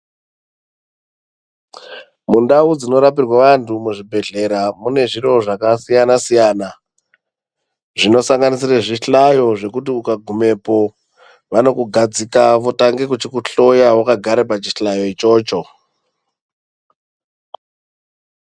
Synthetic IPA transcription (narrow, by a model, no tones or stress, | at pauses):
mundaud͡zino̞ɾapirwaʋantʰumuʐibʱe̞ɮe̞ɾamune̞ʐiɾo̞ʐakasijanasijana | ʐino̞saŋɡanisiraʐiɬajo̞ʐe̞kutiukaɡʱume̞po̞ | ʋano̞kuɡʱad͡zikaʋotaŋɡe̞kut͡ʃikuɬo̞jawakaɡʱaɾepat͡ʃiɬajo̞it͡ʃo̞ːt͡ʃo̞